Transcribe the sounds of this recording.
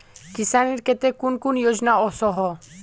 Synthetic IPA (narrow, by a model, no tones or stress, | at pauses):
kisaniɾket̪ekunkunjoːd͡ʒnaɔsɔɦɔ